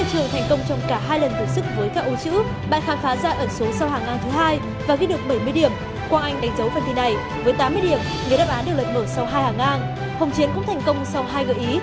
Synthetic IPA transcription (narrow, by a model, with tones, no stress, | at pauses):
ə̰˧˨t͡ɕɨ˨˩əŋt̪ʰa˨˩jŋ̟kə˧wŋ͡mt͡ɕɔ˧wŋ͡mkaː˧˩ɦaː˧jlə˨˩nt̪ʰə˨˩sɨ˦˥k̚vəː˨˦jkaː˦˥k̚ʔo˨˦t͡ɕɨ̰˧˥ | ɓa̰ː˧˨nxaː˨˦nfaː˨˦zaː˧ʔəː˧˩so˨˦sa˧whaː˨˩ŋʔaː˧nt̪ʰɨ˨˦ɦaː˧j | vaː˨˩ɣi˧ɗɨ˨˩ək̚ɓə˧˩jmɨ˧əjɗi˧˩əm | kwaː˧nʔa˧jŋ̟ɗa˨˦jŋ̟zə˨˦wva˧˩nt̪ʰi˧˩na˨˩j | vəː˨˦jt̪aː˨˦mːɨ˧ə˧i˧˩əm | ŋɨː˨˩jɗaː˦˥ʔaː˨˦nɗe˨˩wlə̰˧˨ŋ̚məː˧˩sa˧wɦaː˧jhaː˨˩ŋʔaː˧n | hə˨˩wŋ͡mt͡ɕi˨˦ənkʊ̰˧˥ŋ͡mt̪ʰɛ˨˩jŋ̟kə˧wŋ͡msa˧wɦaː˧jɣə̰˧˨˩ʔi˨˦